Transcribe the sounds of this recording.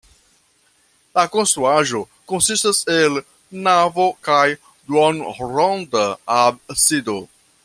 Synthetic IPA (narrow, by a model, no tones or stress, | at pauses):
lakonst̪ɾuaʒo | konsistasel | navokaj | dwonɾondabsido